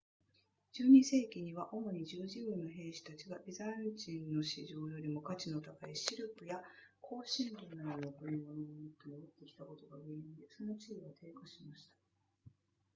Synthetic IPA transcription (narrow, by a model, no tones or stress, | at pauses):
d͡ʑɨːɲ̟ise̞ːkʲiɲ̟iβ̞aʔo̞mo̞ɲ̟id͡ʑɨːʑĩɡɯnːo̞ɦẽ̞ːɕi̥t̪at͡ɕiɡaʔizãɲd͡ʑĩnːo̞ɕiʑo̞ːjo̞ɾʲimo̞kat͡ɕino̞t̪aɡaiɕiɾɯ̟pɯ̟jakʰo̞ːɕĩnd̪onːad̪onoko̟ɾʲimo̞nomot̪ːenobot̪ːe̞kʲi̥t̪ako̞t̪o̞ɡaɡend̪eso̞no̞t͡ɕiiɡot̪ʰe̞ːkaɕimaɕi̥t̪ḁ